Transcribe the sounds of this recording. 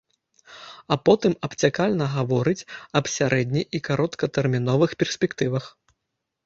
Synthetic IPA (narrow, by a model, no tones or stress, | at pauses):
ɐpɔt̪ɨmɐpt͡sʲakalʲnɐɣavɔɾɨt͡sʲɐpsʲaɾʔɛd̪ʲnʲijikaɾʔɔt̪kɐt̪ɛrmʲinɔvɨxpʲɛrsʲpʲɛkt̪ɨvɐx